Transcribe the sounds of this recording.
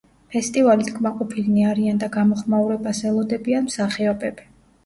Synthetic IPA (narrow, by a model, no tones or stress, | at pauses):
pʰɛst̪ʼivalit̪ʰkʰʼmaqʼɔpʰiliniaɾiand̪aɡamɔχmauɾɛbasɛlˠɔd̪ɛbianmsaχiɔbɛbi